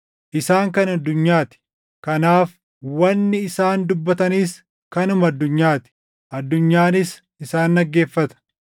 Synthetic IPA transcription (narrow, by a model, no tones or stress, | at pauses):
ʔɪsaːŋkɐnɐd̪ːʊɲːaːt̪ɪ̥ | kɐnaːf | wɐnːɪɪsaːnd̪ʊbːɐt̪ɐniːs | kɐnʊmɐɐd̪ːʊɲːaːt̪ɪ̥ | ʔɐd̪ːʊɲːaːnɪs | ɪsaːnːɐɡːe̞ːfːɐt̪ɐ̥